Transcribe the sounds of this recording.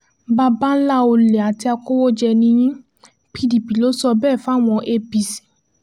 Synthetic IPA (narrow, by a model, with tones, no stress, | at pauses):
ba˧ba˦la˦˨o˧le˨a˨ti˧a˧ko˦wo˦d͡ʒɛ˧nĩ˧j̃ĩ˦ | pʰi˧di˨pi˨lo˦sɔ˧bɛː˦˨fa˦˨w̃ɔ̃˧ʔe˧bi˨si̥˨